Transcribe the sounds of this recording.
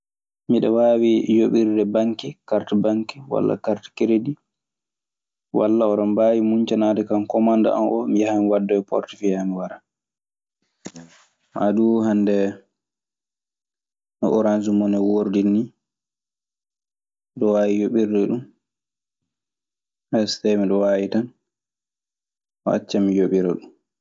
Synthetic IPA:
miɗɛwaːwijoɓiɾdɛbaŋkikaɾtabaŋkiwa̰lːa̰kaɾtḁkeɾedi | walːaɔɗɔmbawimuɲt͡ʃanaːdɛkankɔmanda̰a̰nʔɔmijahamiwadːɔɛpɔ̰ɾtifiamiwaɾa | maduhandɛ | nɔʔɔɾansumɔnɛwoɾdinːi | ɗɔwawijoɓiɾdɛɗum | ʔɛstɛmiɗɔwaːjitan | a̰t͡ʃːamijoɓiɾɛ̰ɗum

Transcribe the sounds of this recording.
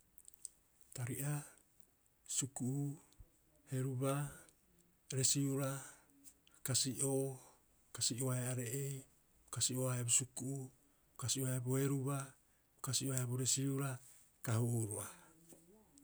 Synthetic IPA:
taɾiʔa | sukuʔu | he̞ɾuba | ɾe̞siuɾa | kasiʔo | kasioaeaɾeʔej | okasioaebosukuʔu | okasioaboe̞ɾuba | okasioaeaboɾe̞siuɾa | kahuɾoa

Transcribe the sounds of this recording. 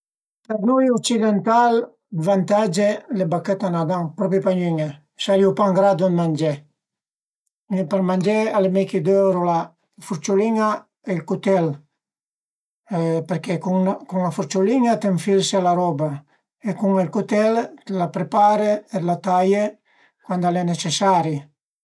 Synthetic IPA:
panujɔkt͡ʃid̪ɛnt̪al | d̪vant̪ad͡ʒelebakːɛt̪anad̪aŋpɾɔpipaɲyɲa | saliupaŋɡɾad̪umand͡ʒɛ | peɾmand͡ʒɛalemɛkid̪øwɾola | fuɾt͡ʃuliŋa | elkut̪ɛl | peɾkekuŋkuŋlafuɾt͡ʃuliŋat̪eɱfilsealaɾɔba | ekuŋelkut̪ɛllapɾepaɾeelat̪aje | kwand̪alɛnet͡ʃesaɾi

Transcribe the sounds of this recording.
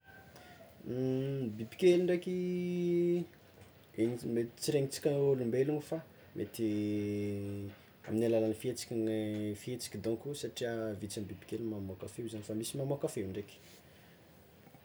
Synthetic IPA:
bibi̥kʲeliɳɖ͡ʐekʲi | eɲimet̪t͡siɾeŋit͡si̥kʲanolumbeluŋifa | mʔet̪i | aminalalanifiet͡si̥kʲifiet͡si̥kʲid̪õŋkusaʈ͡ʂiavit͡sambibi̥kʲelmamokafeuzanifamisimamokafewɳɖ͡ʐekʲi̥

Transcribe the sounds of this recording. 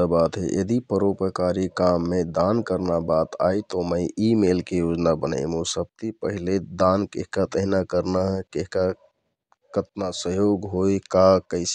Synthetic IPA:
abat̪ɦḛʔḛd̪ipəɾopəkaɾikamːed̪ankəɾnabat̪ajt̪ɔməjimelkejod͡ʒnabənə̰ɪmũsəb̚t̪ipəɦiled̪ankeɦkat̪əɦinakəɾnaɦkeɦka | kət̪nasəɦjoɡɦojkakəɪs

